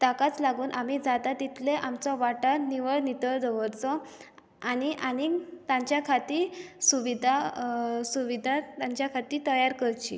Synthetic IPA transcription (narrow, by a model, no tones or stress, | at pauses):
t̪akat͡slaɡuːnʔamiːd͡zat̪at̪it̪ʰleʔamt͡sɔʋaʈəniʋəɭnit̪əɭd̪ʱəʋəɾt͡sɔ | añiʔanit̪ãɲt͡ɕjakʰat̪iːɾsuʋid̪ʱasuʋid̪ʱat̪aɲt͡ɕjakʰat̪iːt̪əjaɾkəɾt͡ɕḭː